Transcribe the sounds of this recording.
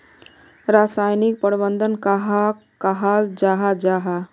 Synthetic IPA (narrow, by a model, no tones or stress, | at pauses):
ɾasajnik̚pəɾbənd̪ənkaɦa | kaɦald͡ʒaɦad͡ʒaɦa